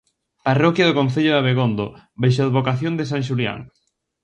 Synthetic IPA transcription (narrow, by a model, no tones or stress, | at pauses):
parɔkjɐðokõnθeʎoðaβeɣond̪obejʃ̬oðβokaθjond̪ɪs̬aŋʃ̬ulja̰ŋ